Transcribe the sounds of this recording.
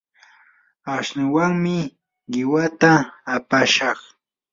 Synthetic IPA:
aʃnɪwaŋmɪ | ɢɪwat̪aːpaʃɑχ

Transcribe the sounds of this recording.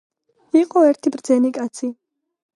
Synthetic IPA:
iqʼɔɛɾt̪ʰibɾd̪zɛnikʼat̪sʰi

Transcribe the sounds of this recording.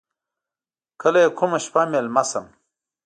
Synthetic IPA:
kʰɐlɐjekʰomɐɕpamelmɐsɐm

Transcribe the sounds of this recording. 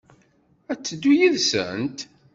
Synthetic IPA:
æt͡sːəd̪ːujiðsə̰nt̪

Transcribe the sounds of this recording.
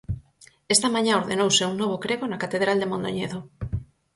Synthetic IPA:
est̪amãɲãoɾðenowseuŋnoβ̞okɾeɣonakat̪eðɾald̪emond̪o̰ɲeðo

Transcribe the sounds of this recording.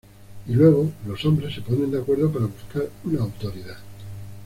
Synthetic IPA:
ilwe̞ɣ̞o̞lo̞so̞mbɾe̞sːe̞po̞nend̪eakwe̞ɾðopaɾaβuskaɾunaːwt̪o̞ɾiða

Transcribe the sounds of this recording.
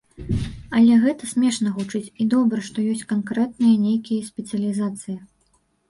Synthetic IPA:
ɐlʲɛɣɛt̪ɐsʲmʲɛʂnɐɣut͡ʂɨt͡sʲid̪ɔbɾɐʂt̪ɔjɔsʲkɐnkɾɛt̪̚nɨjɐnʲejkʲijɐsʲpʲɛt̪sɨjɐlʲizat̪sɨjɐ

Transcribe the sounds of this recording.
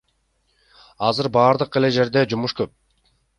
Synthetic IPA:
ɑzɯɾbɑːɾd̪ɯqe̞le̞d͡ʒe̞ɾd̪e̞d͡ʒumuʃkøp̚

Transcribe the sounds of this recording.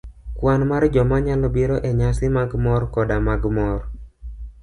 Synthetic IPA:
kwanmard͡ʒɔmaɲalɔbiɾɔʔɛɲasɪmaɡmɔrkɔdamaɡmɔr

